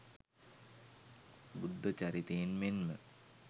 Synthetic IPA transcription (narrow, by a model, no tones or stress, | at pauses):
bud̪ʱːot͡ɕaɾit̪ejinmenmə